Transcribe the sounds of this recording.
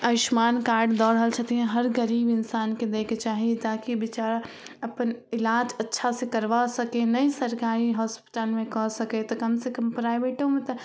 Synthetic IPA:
ɐɪʃmaːnkaːɾɖd̪ɔːɽɦəlt͡ʃʰət̪iɦɛ̃ɦəɾɡəɾiːbɪnsaːnked̪eːket͡ʃaːɦiet̪aːkibɪt͡ʃaːɾ | əpənɪlaːd͡ʒətːʃʰasẽkəɾʋasəkenəisəɾkaːɾiɦɔːspɪ̥ʈəlmẽkɔsəket̪ɔkəmsekəmpɾaːɪbeʈomet̪ɔ

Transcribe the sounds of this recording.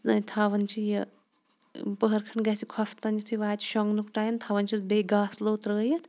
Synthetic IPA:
nɐnt̪ʰaːʋɐnt͡ʃʰijɐ | pəɦɐɾkʰɐɳɡɐsikʰɔfʰt̪ɐnit̪ʰuʋaːt͡ʃʰi̥ʃɔŋɡnukʈaːjɐnt̪ʰaːʋɐnt͡ʃʰisbeːɡaːsloːt̪ɾəːjɐt̪ʰ

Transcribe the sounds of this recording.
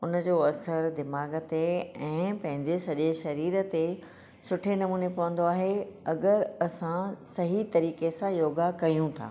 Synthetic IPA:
ʊnə̆d͡ʑoːɐsəɾd̪ɪmaːɡə̆t̪eɛ̃ːpɐ̃ɦɪ̃ɲd͡ʑesɐʄeʃɐɾiːɾə̆t̪e | sʊʈʰenɐmũːnepɐʋə̃nd̪oaːɦeɐɡəɾɐsãsɐɦit̪ɐɾiːkesãjoːɡakɐjũt̪ʰa̰ː

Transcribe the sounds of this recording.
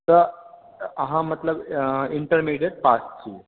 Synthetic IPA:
t̪ə | əɦãmət̪ləbiɳʈəɾmiɖjeɽ̚past͡ɕi

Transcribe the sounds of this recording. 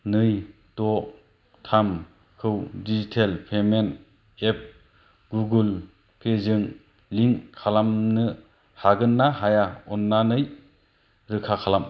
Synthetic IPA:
nɯj | tɔk̚ | tʰam | kʰɯwdizitʰelpʰemen | ep̚ | ɡuɡɯl | pʰezɯŋ | liŋkʰalamnɯ | haɡɯnːaɦajaɔnːanɯj | ɾɯkʰakʰalam

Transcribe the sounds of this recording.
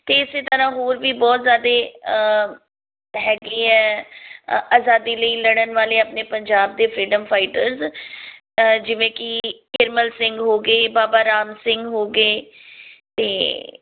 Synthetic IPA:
t̪eːɪseːt̪əɾãːɦoːɾʋiːbɔːt̪zjaːd̪eː | ɦɛːɡiːɛː | aːzaːd̪iːləiːləɽənʋaːleːaːpneːpəɲd͡ʒaːb̚d̪eːpʰɾiːɖəmpʰaːɪʈəɾz | d͡ʒɪʋẽːkɪkɪɾməlsɪ̃ŋɡɦoːɡeːbaːbaːɾaːmsɪ̃ŋɡɦoːɡeː | t̪eː

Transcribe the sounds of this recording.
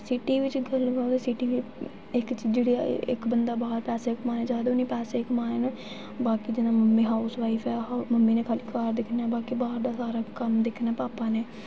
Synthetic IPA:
sɪʈiːʋɪt͡ʃɡəlɡəõd̪eːsɪʈiːʋi | ɪkt͡ʃd͡ʒeːɽeːa̰ːɪ̰kbənd̪aːbaːɾpɛːseːɪkmaːneːd͡ʒaːd̪onĩːpɛːseːɪkmaːneːn | baːkiːd͡ʒɪnãːməmːĩːɦaːʊsʋaːipʰɛːɦməmːiːnẽːkʰaːliːkaːɾd̪ɪkʰnaːbaːkiːbaːɾd̪aːsaːɾaːkəmd̪ɪkʰːnɛːpaːpaːneː

